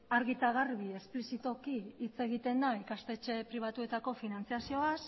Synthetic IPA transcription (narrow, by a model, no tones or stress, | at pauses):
aɾɣit̪aɣ̞aɾβie̞splisit̪o̞kiːt͡se̞ɣ̞it̪e̞nd̪aikast̪e̞t͡ʃe̞pɾiβ̞at̪ue̞t̪ako̞finant͡siasio̞as